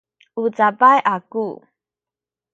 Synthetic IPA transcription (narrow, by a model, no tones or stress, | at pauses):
ut͡sapajʔaku